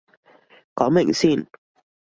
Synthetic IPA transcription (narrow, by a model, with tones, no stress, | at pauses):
kɔː˨˦mɛ˨˩ŋsi˥˨n